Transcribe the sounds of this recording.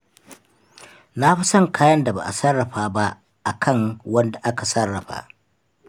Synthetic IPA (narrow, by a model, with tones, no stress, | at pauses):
na˦ɸi˦sɐ˦˨ŋkʰaː˦jɐ˦nda˨ba̰˨ʔa˨sɐ˦rːɐ˨ɸaː˨ba˦ʔ | ʔa˨kʰɐ˦˨ŋwɐ˦nda˨ʔa˦ka˨sɐ˦rːɐ˨ɸa̰ː˨